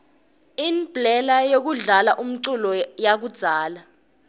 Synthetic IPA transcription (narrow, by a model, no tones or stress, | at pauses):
inbʱlɛlajok̬uɮalaʔum̩ǀulɔjak̬ud̥z̥ʱaːla